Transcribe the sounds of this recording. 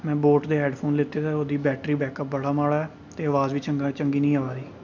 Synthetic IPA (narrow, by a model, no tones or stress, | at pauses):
mɛ̃ːboːʈd̪eːɦɛːɖpʰoːnlɪt̪eːt̪aːoːd̪iːbɛːʈɾiːbɛːkəp̚bəɽaːmaːɽaːɛː | t̪eːəʋaːzʋiːt͡ʃəŋɡat͡ʃəŋɡiːnĩːaːʋaːd̪iː